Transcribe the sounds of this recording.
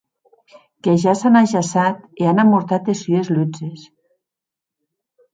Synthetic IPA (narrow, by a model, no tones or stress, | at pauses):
keʒasanaʒasat̪ianamːuɾt̪at̪esyezlud͡ʒes